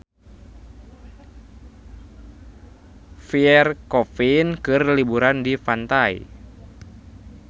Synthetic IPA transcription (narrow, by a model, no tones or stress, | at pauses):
fiɛrkɔfinkɨrlibuɾandifant̪aḭ